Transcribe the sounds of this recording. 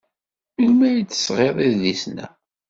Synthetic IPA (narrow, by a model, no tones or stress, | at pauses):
ulmæjit͡sːə̥sʁeðˤiððisnæ̰